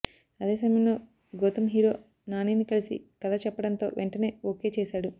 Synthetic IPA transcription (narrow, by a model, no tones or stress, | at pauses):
ɐd̪e̞ːsɐmɐjɐmlo̞ː | ɡoːt̪ɐmɦiːɾo̞̰ː | naːniːnikɐlisḭkɐd̪ɐt͡ʃɛpːɐɽɐnt̪o̞ːʋʔeɳʈɐne̞ːoːke̞ːt͡ʃeːʃaːɽu